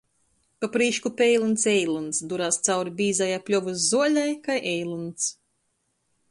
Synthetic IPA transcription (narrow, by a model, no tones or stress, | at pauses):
papɾiːʃkupejlˠunt̪sɛjlˠunsd̪uɾaːst̪sawɾibʲiːzajaplʲɔvuszuɔlʲajkajʔɛjlˠunt̪s